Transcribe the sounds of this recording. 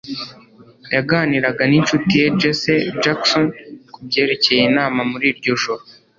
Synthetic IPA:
jaɡaːniɾaɡanint͡ʃutije̞d͡ʒesed͡ʒaksonkubɟe̞ːɾe̞ce̞jinaːmamuɾiːɾɟo̞ʒoɾo

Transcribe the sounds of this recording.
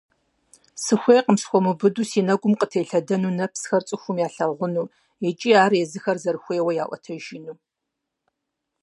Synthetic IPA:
sɨxʷejqəmsxʷɔmɨbɨdusiːnɐɡʷʊmqʼətʰejɬɐdɐnuːnɐpsxɐrt͡sʼɨxʷʊmjaːɬɐʁʷʊnuː | ɛt͡ʃʼiːaːrjɛzɨxɐrzɐrɨxʷeːwɐjaːʔʷɔ̰tʰɐʒinuː

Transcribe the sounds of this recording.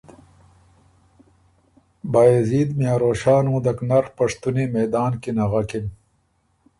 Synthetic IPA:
baːeziːd̪mjaːɾoːɕaːnũːd̪ɐknɐɾpɐʂt̪unimeːd̪aːnkinɐɣɐkin

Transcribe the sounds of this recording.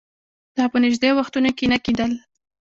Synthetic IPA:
d̪̥ɑpənɪʒd̪ewaxt̪unokenaked̪əl

